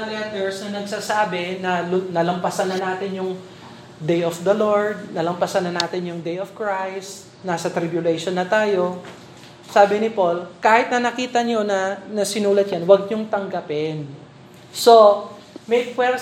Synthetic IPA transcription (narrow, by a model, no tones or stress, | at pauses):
lɛt̪ɛɹsnɐnɐɡ̚sasaːbɪnɐlʊnɐlɐmpɐsɐnːɐnaːt̪ɪnjʊŋ | d̪ejʔofd̪ɐloɹd̪̚nɐlɐmpɐsaɐnːɐnaːt̪ɪnjʊŋd̪ejofkɹajst̪ | naːsɐt̪ɾɪbjʊlɛjʃonːɐt̪aːjo̞ | saːbɪnɪpo̞lkaːhɪt̪nɐnɐkiːt̪ɐɲo̞nɐnɐsɪnuːlɐt̪̚janwɐɡ̚ɲoŋt̪ɐŋɡɐpɛn | so̞ | mɛjkwɛɾ